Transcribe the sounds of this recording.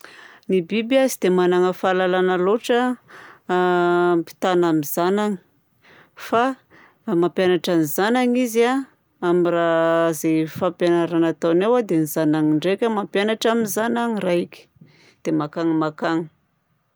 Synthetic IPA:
nibibiazid̪̥emanaŋəfalalanəloʈ͡ʂə | pi̥t̪anamizanaŋi̥ | fa | mampjanaʈ͡ʂanizanaŋiza | amirazefapjanaɾanat̪anewad̪enizanaŋiɳɖ͡ʐekʲəmampjanaʈ͡ʂaminzanaɲiraikʲi̥ | d̪̥emakaŋimakaŋi̥

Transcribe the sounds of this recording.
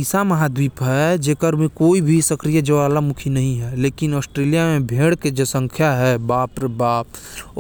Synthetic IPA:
isaməɦad̪wiːpɦɛd͡ʒeːkəɾmẽkoːibʱisəkɾijad͡ʒɐʋaːlamʊkʰinɐɦĩɦɛleːkɪnɔːsʈɾeːlijamẽbʱeːɽked͡ʒesə̃ŋkʰjaɦɛbaːpɾəbaːpː

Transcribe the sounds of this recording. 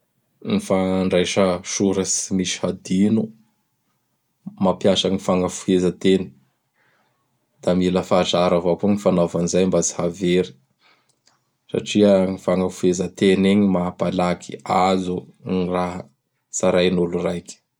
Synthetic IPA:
nifaɳɖ͡ʐajʃəʃuɾəsimiʃi̥had̪inu | mapjasəŋifaŋɡəfuezət̪eni̥ | d̪̥amiləfaːʈ͡ʂaɾavopuŋifanovanizajmbat͡si̥haveɾi̥ | sa̰ʈ͡ʂiaŋifaŋɡəfuezət̪eneɲimapalakʰiazuŋiraɦə | saɾajnulurajkʲi̥

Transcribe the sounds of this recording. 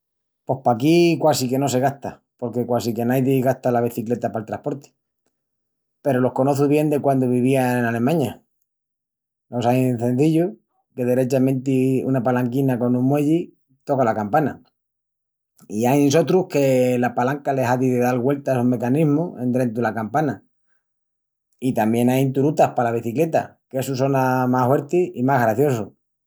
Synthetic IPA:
po̞hpakikwasike̞no̞se̞ɣ̞aht̪a | po̞ɾke̞kwasike̞najðiɣaht̪alaβ̞eθikle̞t̪apalt̪ɾahpo̞ɾt̪e̥ | pe̞ɾo̞lo̞hko̞no̞θuβje̞nd̪e̞kwand̪oβ̞iβ̞iaenale̞mãɲa | lo̞sajnθẽ̞n̟θiʎu | ke̞ðeɾe̞t͡ʃamẽ̞nt̪iṵnapalaŋkinako̞nũmwe̞ʎi | t̪o̞kalakampana | iajso̞t̪ɾuhke̞lapalaŋkale̞ɦaðiðeðalɣwe̞lt̪asume̞kanizmue̞nd̪ɾe̞nt̪̬ulakampana | it̪ambje̞najnt̪uɾut̪ahpalaβ̞iθikle̞t̪a̰kesuso̞namahwe̞ɾt̪iimaɦɣɾaθjo̞su

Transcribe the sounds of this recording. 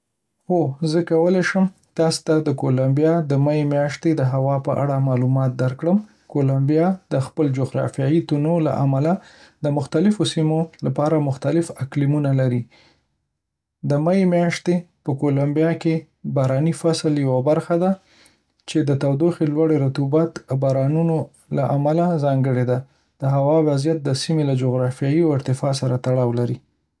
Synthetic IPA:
xozəkawəleʃəm | t̪ɑst̪ad̪əkolambjɑd̪əmajemjɑʃt̪ed̪əɦawɑpəʔa̰ɽamɑlumɑt̪̚d̪aɾkɽəm | kolambijɑd̪̥əxpəld͡ʒoɣɾɑ̰fijɑjit̪unola̰ʔa̰malad̪əmʊxt̪alɪfosimolapɑɾamʊxt̪alɪfaklimunalaɾi | d̪əmajemjɑʃt̪epəkolambjɑke | bɑɾɑnifasljawabaɾxad̪a | t͡ʃed̪ət̪awd̪oxilwaɽeɾat̪ubat̪bɑɾɑnuno | laʔamalazɑŋɡəɽed̪a | d̪̥əɦawɑwazjat̪̚d̪əsimelad͡ʒoɣɾɑfjɑjiawɪɾt̪ɪfɑs̬aɾat̪aɽɑwlaɾi

